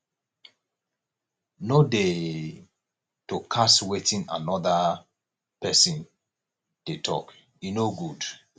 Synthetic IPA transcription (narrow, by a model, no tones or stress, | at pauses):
node | tokʰaswetĩna̰nɔða | pɛsĩn | d̥etʰɔ̰k | junoɡud